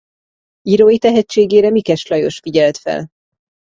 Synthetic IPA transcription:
iɾojit̪ɛɦɛt͡ʃːeːɡeːɾɛmikɛʃlɒjo̞ʃfiɟɛlt̪fɛ̰l

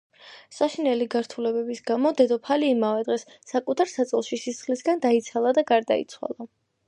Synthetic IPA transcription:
saʃinɛliɡaɾt̪ʰulɛbɛbisɡamɔd̪ɛd̪ɔpʰaliːmavɛd̪ʁɛsːakʼut̪ʰaɾsat̪sʼɛlˠʃisisχlisɡand̪ait̪sʰalˠad̪aɡaɾd̪a̰ḭt̪sʰwa̰lˠa

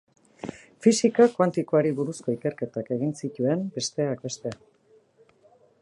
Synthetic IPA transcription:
fisikakwant̪ikoaɾiβuɾusko̞ike̞ɾke̞t̪ake̞ɣ̞insicue̞mbe̞st̪e̞ak̚be̞st̪e̞a

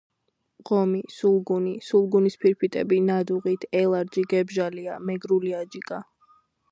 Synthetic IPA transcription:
ʁɔmisulˠɡunisulˠɡunispʰiɾpʰit̪ʼɛ̰binad̪uʁit̪ʰɛlˠaɾd͡ʒiɡɛbʒaliamɛɡɾuliad͡ʒikʼa

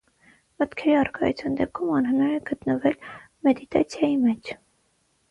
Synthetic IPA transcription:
mət̪kʰɛɾiɑrkɑ̰jṵt͡sʰjɑnd̪ɛp̚kʰumɑnɦənɑɾɛɡ̥ət̪nəvɛl | mɛd̪it̪ɑ̰t͡sʰjɑjimɛt͡ʃʰ

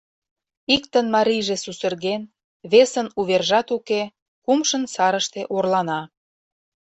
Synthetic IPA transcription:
ik̚t̪ənmɑɾʲijʒesusə̆rɣen | βesənuβerʒɑt̪uke | kumʃənsɑɾəʃt̪eʔorlɑnɑ

